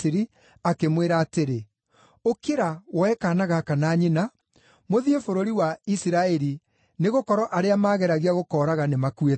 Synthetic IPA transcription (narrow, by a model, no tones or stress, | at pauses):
iɾi | akemweɾaːteɾe | okeɾawɛkanaɣakanaːɲina | moðiefoɾoɾiwaisiɾaɛɾi | neɣokɔɾɔʔaɾeamaːɣɛɾaɣiaɣokɔːɾaɣanemakue